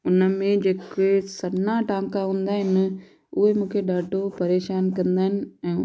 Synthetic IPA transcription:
ʊnəmẽd͡ʑeːkesɐnaʈãːŋkaɦũːn̆d̪aːɦɪnɪ̆ | ʊɦemũːkʰeɗaːʈopɐɾeːʃaːnkɐ̃nd̪aːɦɪnɪ̆ɛ̃ː

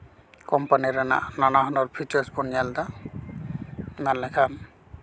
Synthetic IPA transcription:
kɔmpaniɾana̰ʔnanaɦɔnɔɹpʰit͡ʃɔɹsbɔnijald̪a | nanlːɛkʰam

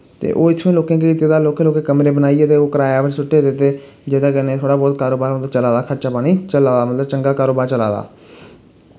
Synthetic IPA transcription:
t̪ḛːʔo̰ːɪt̪ʰːʋẽːloːkãːkeːkit̪eːd̪aːloːkẽːloːkeːkəmɾeːbənaːieːt̪eːoːkəɾaːjaːʋɪʈsʊʈːeːd̪et̪ːeː | d͡ʒeːd̪aːkəneːt̪ʰoːɽaːbɔːt̪kaːɾoːbaːɾmət̪ləbt͡ʃəlaːd̪aːkʰəɾt͡ʃaːpaːɽ̃iːt͡ʃəlaːd̪aːmət̪ləb̚t͡ʃəŋɡaːkaːɾoːbaːɾt͡ʃəla̰ːd̪a̰ː

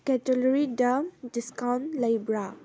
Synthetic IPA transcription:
kɛtelɔɾidadiskawntlajbɾa

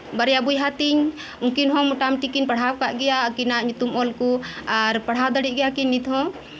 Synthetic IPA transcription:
bəɾjabujɦat̪iɲ | uŋkinɦɔmuʈamʈikinpaɽ̤awkaʔɡɛjakinaɲt̪umɔlkuaɾpaɽ̤awd̪əɽiɡɛjakinːit̪ɦɔ̃

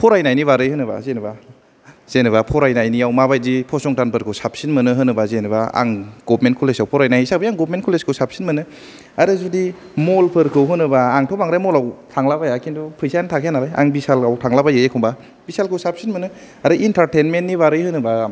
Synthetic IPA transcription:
pʰɔɾajnajnibaɾɯjhɯnɯba̰zenɯba | z̥enɯβapʰɔɾajnajniawmabaj̚dipʰɔsɔŋtanpʰɯɾkʰɯwsap̚sinmɯnɯɦɯnɯbazenɯbaa̰ŋɡɔpʰmentkʰulesawpʰɔɾajnajisabajaŋɡɔp̚mentkʰuleskʰɯwsap̚sinmɯnɯ | aɾɯzudi | molpʰɯɾkʰɯwɦɯnɯbaːŋtʰɔpaŋɾajmɔlawtʰaŋlabajakindupʰɯjsajantʰakʰejanalaja̰ŋbisalawtʰaŋlabajɯjekʰɔmba | b̥isalkʰɯwsap̚sinmɯnɯ | aɾɯʔintʰaɾtenmenːibaɾɯjhɯnɯba

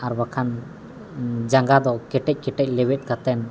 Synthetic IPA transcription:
aɾbakʰan | d͡ʒaŋɡad̪ɔkɛʈɛc̚ˀkɛʈɛc̚ˀlɛwɛt̪̚ˀkat̪ɛn

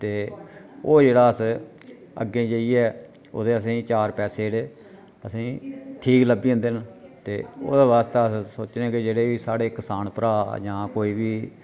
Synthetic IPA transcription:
t̪eːoːd͡ʒeːɽaːəs | ə̰ɡẽːd͡ʒəiːɛː | o̰ːd̪eːəs̬ĩːt͡ʃaːɾpɛːseːɽeː | əsĩːʈʰiːkləbiːõːnd̪ent̪eːo̰ːd̪eːʋaːst̪eəssoːt͡ʃnɛ̃ːkɪd͡ʒeːɽeːiːsaːɽeːkɪsaːnpəɾaːd͡ʒãːkoːiːbiː

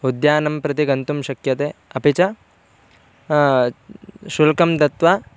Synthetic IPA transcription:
ɦud̪jaːnɐmpɾɐt̪iɡɐnt̪umʃɐkjɐt̪eːɐpit͡ʃɐ | ʃulkɐmd̪ɐt̪ʋa

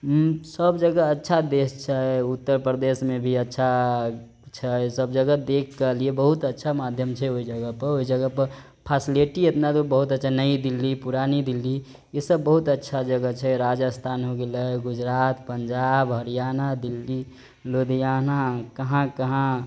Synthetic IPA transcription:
səbd͡ʒəɡəətːʃʰad̪est͡ʃʰɛut̪ːəɾpɾəd̪esmebʱiətːʃʰa | t͡ʃʰɛsəbd͡ʒəɡəd̪ekʰkəliebəɦut̪ətːʃʰamad̪ʱjəmt͡ʃʰɛoid͡ʒəɡəpəɾoid͡ʒəɡəpəɾ | pʰasileʈiet̪nat̪obəɦut̪ətːʃʰanəid̪ilːipuɾanid̪ilːi | esəbːəɦut̪ətːʃʰad͡ʒəɡət͡ʃʰɛɾad͡ʒəst̪ʰanɦoɡeləeɡʊd͡ʒɾaːt̪pəɲd͡ʒaːbɦəɾijaːnad̪ilːi | lod̪ijanakəɦãkəɦã

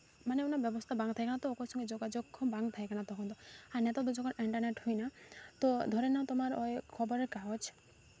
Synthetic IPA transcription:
maneunabjɔbɔst̪ʰabaŋɡt̪ʰajkʰanat̪ɔokɔsɔ̃ŋɡɔd͡ʒoɡad͡ʒoɡʰɔbaŋɡt̪ʰajkʰanat̪ɔkʰɔnt̪ɔanet̪ɔd̪ud͡ʒɔkɔniɳʈɔɾneʈhujnat̪ɔd̪ʱɔɾenãt̪ɔmaɾɔekʰɔbɔɾekaɦɔt͡ʃʰ

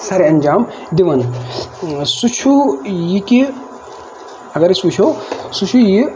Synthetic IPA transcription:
saɾiɐnʲd͡ʒaːm | d̪iʋɐn | sut͡ʃʰujiki | ɐɡɐɾisut͡ʃʰosut͡ʃʰuji

